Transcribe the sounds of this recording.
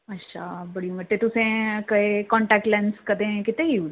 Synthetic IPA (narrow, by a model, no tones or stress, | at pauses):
ɐtːʃʰa̰bɐɽimɐʈːet̪ʊsẽkɐekɔ̃ːɳʈɛːk̚ʈlɛ̃nskɐd̪ẽkɪt̪ẽɦiuː